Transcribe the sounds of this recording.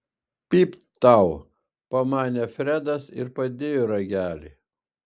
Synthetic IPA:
pʲiːp | t̪ɐˑʊ | pɐmɑːnʲɛfʲɾʲæd̪ɐsɪ̰ɾpɐd̪ʲeːjoɾɐɡʲæːlʲḭ

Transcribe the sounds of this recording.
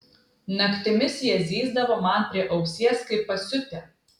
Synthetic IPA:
nɐkt̪ʲɪmʲɪsjɛzʲiːzd̪ɐʋoːmɐˑnpʲɾʲiɛʔɐʊsʲiɛskɐɪpːɐsʲʊt̪ʲɛ

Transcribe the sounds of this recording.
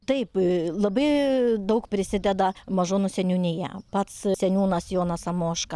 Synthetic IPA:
t̪ɐɪplˠɐbɐɪd̪ɐʊkpʲɾʲɪsʲɪd̪ʲɛd̪ɐmɐʒoːnʊsʲɛnʲunʲɪjɛ̰pɐt̪ssʲɛnʲuːnɐsjoːnɐsɐmoːʃkɐ

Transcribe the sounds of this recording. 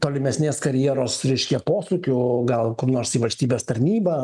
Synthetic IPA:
t̪oːlʲɪmʲɛsʲnʲeːskɐɾʲjiɛɾoːsɾʲɛɪʃʲkʲɛpoːsukʲʊɡɐlˠkoːpnoːɾsiːʋɐlʲsʲt̪ʲiːbʲeːst̪ɐɾʲnʲiːbɐ

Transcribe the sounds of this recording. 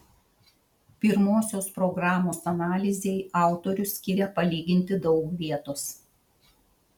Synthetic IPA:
pʲɪɾmoːsʲoːspɾɔɡɾɑːmoːsɐnɑːlʲɪzʲɛɪʔɑˑʊt̪oɾʲʊsʲkʲɪɾʲɛpɐlʲiːɡʲɪnʲt̪ʲɪd̪ɒʊkʋʲiɛt̪ʊs

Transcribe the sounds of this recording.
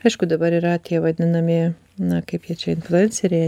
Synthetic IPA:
ɐɪʃkʊd̪ɐbɐɾɪɾɑːt̪ʲɪjɛʋɐd̪ʲɪnɐmʲɪ | nɐkɐɪpjɛt͡ʃʲɛɪnflʲʊɛnʲsʲɛɾʲɛ

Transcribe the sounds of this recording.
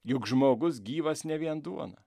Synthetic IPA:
jʊkʒmoːɡʊs̬ɡʲiːʋɐsnʲɛʋʲiɛnd̪uɔnɐ

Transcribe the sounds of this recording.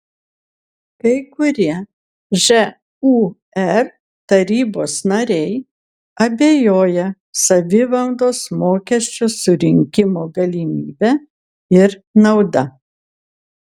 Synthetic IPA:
kɐɪkʊɾʲiɛ | ʒɛ | u | ɛɾ | t̪ɐɾʲiːboːsnɐɾʲɛɪ | ɐbʲeːjoːjɛ | sɐʋʲɪʋɐlˠd̪oːsmoːkʲɛsʲt͡ʃʲʊsʊɾʲɪŋʲkʲɪmoːɡɐlʲimʲiːbʲæ | ɪɾnɐʊd̪ɐ

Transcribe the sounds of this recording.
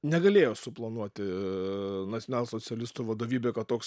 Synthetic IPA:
nʲɛɡɐlʲeːjoːsʊplˠɐnuɔt̪ʲɪ | nɐsʲɔnʲɑːlʲsot͡s̪ʲɛlʲɪst̪uːʋɐd̪oːʋʲiːbʲeːkɐt̪t̪ːoːks

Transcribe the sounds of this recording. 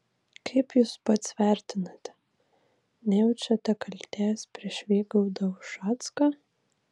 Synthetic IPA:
kʰɐɪpjuːspɐt̪sʲʋʲæˑɾʲt̪ʲɪnɐt̪ʲɛ | nʲɛjɛʊt͡ʃʲɛt̪ʲɐkɐlʲt̪ʲæːspʲɾʲiɛʃʲʋʲeːɡɐʊd̪ɐʊʃɑːt̪skɐ

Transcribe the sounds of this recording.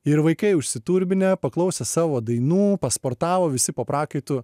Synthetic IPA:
ɪɾʋɐɪkɐɪʊʃʲsʲɪt̪uːɾʲbʲɪnʲɛpɐklˠɐʊsʲɛsɑːʋoːd̪ɐɪnuːpɐspoːɾt̪ɑːʋoːʋʲɪsʲɪpopɾɑːkɐɪt̪ʊ

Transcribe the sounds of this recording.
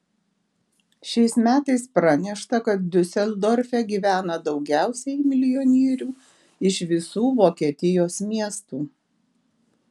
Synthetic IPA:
ʃʲɛɪsmʲæːt̪ɐɪspɾɐnʲɛʃt̪ɐkɐt̪̚d̪ʲʊsʲɛlʲˠd̪ɔɾʲfʲɛɡʲiːʋʲæːnɐd̪ɒʊɡʲæˑʊsʲɛmʲɪlʲɪjɔnʲiːɾʲuː | ɪʃʋʲɪsuːʋoːkʲiɛt̪ʲɪjoːsmʲiɛst̪uː

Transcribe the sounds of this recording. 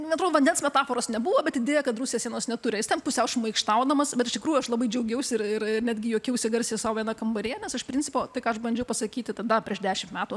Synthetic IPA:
ɛnɐt̪ɾoːd̪oːʋɐndʲɛnsmʲɛt̪ɑːfoːɾoːsnʲɛbuʋoːbʲɛt̪ɪd̪ʲeːjɛkɐt̪rusʲɪjɛsʲiɛnoːsnʲɛt̪ʊɾʲɪjɪst̪ʲɛnpʊsʲɛʊʃmɐɪkʃt̪ɐʊd̪ɐmɐsbʲɛt̪ɪʃt̪ʲɪkɾuːjuɐʃlˠɐbɐɪd͡ʒʲɛʊɡʲɛʊsʲɪɪrɪrɪnʲæːd̪ʲɡʲɪjoːkʲɛʊsʲɪɡɐɾʲsʲisɑːʋoːiɛnɐkɐmbɐɾʲeːnʲɛsɪʃpʲɾʲɪnʲt͡sʲɪpoːt̪ɐɪkɑːɐʃbɐnʲd͡ʒʲɛʊpɐsɐkʲiːt̪ʲɪt̪ɐd̪ɐpʲɾʲiɛʃdʲæːʃʲɪmtmʲæːt̪uː

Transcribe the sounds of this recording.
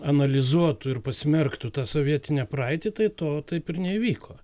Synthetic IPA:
ɐnɐlʲɪzuɔt̪ʊɪɾpɐsʲmʲɛrkt̪ʊt̪ɑːsoːʋʲiɛt̪ʲɪnʲɛpɾɑɪt̪ʲit̪ɐɪt̪oːt̪ɐɪpɪɾnʲɛiʋʲiːkʰoː

